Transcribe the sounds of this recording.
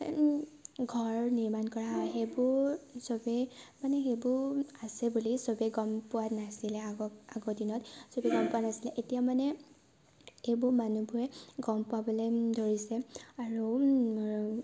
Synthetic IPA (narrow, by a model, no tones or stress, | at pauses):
ɡʱɔɹniɹmankɔɹaxebʊɹsobɛmanɛxebʊasɛbulisobɛɡɔmpʊwanasilɛaɡɔdinɔtsobiɡɔmpʊwanasilɛʔetijamanɛ | ebʊmanubʊɹɛɡɔmpʊabɔledoɹisɛaɹu